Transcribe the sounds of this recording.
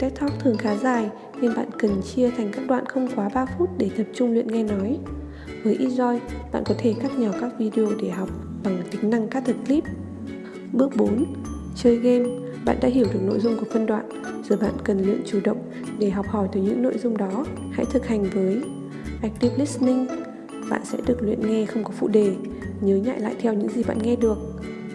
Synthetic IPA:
t̪ɛ˦˥k̚t̪ʰɔ˦˥k̚t̪ʰɨ˨˩əŋxaː˨˦zaː˨˩j | ne˧nɓa̰ː˧˨nkə˨˩nt͡ɕi˧ət̪ʰa˨˩jŋ̟kaː˦˥k̚ɗwa̰ː˧˨nxə˧wŋ͡mkwaː˨˦ɓaː˧fu˦˥t̚ɗe˧˩t̪ə˨˩p̚t͡ɕʊ˧ŋ͡mlwḭ˧˨nŋa˧jnɔ˨˦j | vəː˨˦jʔi˧zɔ˧jɓa̰ː˧˨nkɔ˨˦t̪ʰe˧˩kaː˦˥k̚ɲɔ˧˩kaː˦˥k̚vi˧ɗi˧o˧ɗe˧˩ɦɔ˨˩wk͡p̚ | ɓa˨˩ŋt̪ï˨˦ŋ̟na˧ŋkaː˦˥k̚t̪ʰə˨˩t̚kli˦˥p̚ | ɓɨ˦˥ək̚ɓo˨˦n | t͡ɕəː˧jɣe˧m | ɓa̰ː˧˨nɗa̰ː˧˥ɦi˧˩əwɗɨ˨˩ək̚no̰˧˨jzʊ˧ŋ͡mku˧˩fə˧nɗwa̰ː˧˨n | z̥ɔ˨˩jɓa̰ː˧˨nkə˨˩nlwḭ˧˨ənt͡ɕu˧˩ɗə̰˧˨wŋ͡m | ɗe˧˩ɦɔ˨˩wk͡p̚hɔ˧˩jt̪ɨ˨˩jɲɨ̰˧˥ŋno̰˧˨jzʊ˧ŋ͡mɗɔ˨˦ | ha̰˧˥jt̪ʰɨ˨˩k̚ha˨˩jŋ̟vəː˨˦j | ʔaː˧˦˥jk̚t̪i˦˥p̚li˦˥snï˧ŋ | ɓa̰ː˧˨nsɛ̰˧˥ɗɨ˨˩ək̚lwḭ˧˨ənŋɛ˧xə˧wŋ͡mkɔ˨˦fṵ˧˨ɗe˨˩ | ɲəː˨˦ɲa̰ː˧˨jla̰ː˧˨jt̪ʰɛ˧wɲɨ̰˧˥ŋzi˨˩ɓa̰ː˧˨nŋɛ˧ɗɨ˨˩ək̚

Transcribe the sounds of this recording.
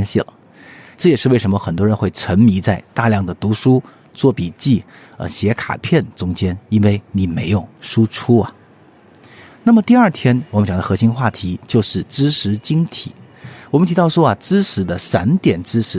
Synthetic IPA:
nɕḭ˥˩lə̰˩ | ʈ͡ʂɤ˥˩jɛ˨˩ʂɻ̩˥˧we˥˩ɪʂə˧˥mə˧xə˨˩nt̪wɔ˥ɻə˧˥nxwe˥˩ɪʈ͡ʂʰə˧˥ŋmi˧˥t͡sa˥˧ɪt̪a˥˧ljɑ˥˩ŋd̪ə˩t̪u˧˥ʂu˥ | t͡swɔ˥˩pi˨˩t͡ɕi˥˩ | ə̰˧˩ɕjɛ˧˥kʰa̰˨˩pʰjɛ˥˩nʈ͡ʂʊ˥ŋt͡ɕjɛ˥ni˥nwe˥˩ɪni˨˩me˧˥ɪjʊ˥˩ŋʂu˥ʈ͡ʂʰu˥ɐ˨ | na˥˩mə˩t̪i˥˧ɐ˞˥˩t̪ʰjɛ˥nwɔ˨mə˥nt͡ɕjɑ˨˩ŋd̪ə˧xɤ˧˥ɕi˥nxwa˥˩t̪ʰi˧˥t͡ɕjo˥˧ʊʂɻ̩˥˩ʈ͡ʂɻ̩˥ʂɻ̩˧˥t͡ɕi˥ŋt̪ʰḭ˨˩˦ | wɔ˨mə˦nt̪ʰi˧˥t̪ɑ˥˩ʊʂwɔ˥ɐ˨ʈ͡ʂɻ̩˥ʂɻ̩˧˥d̪ə˧sa˧˥nt̪jɛ˨˩nʈ͡ʂɻ̩˥ʂɻ̩˧˥

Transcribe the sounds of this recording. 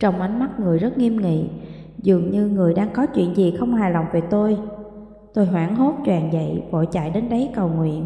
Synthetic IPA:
t͡ɕə˧wŋ͡mʔa˨˦jŋ̟ma˦˥t̚ŋɨ˨˩əjzə˦˥t̚ŋi˧əmŋḭ˧˨ | zɨ˨˩əŋɲɨ˧ŋɨ˨˩əjɗaː˧ŋkɔ˨˦t͡ɕwḭ˧˨ənzi˨˩xə˧wŋ͡mhaː˨˩jla˨˩wŋ͡mve˨˩t̪o˧j | t̪o˧jɦwaː˧˩ŋɦo˦˥t̚t͡ɕwaː˨˩nzə̰˧˨jvo̰˧˨jt͡ɕa̰˧˨jɗe˨˦nɗə˨˦jkə˨˩wŋwḭ˧˨ən

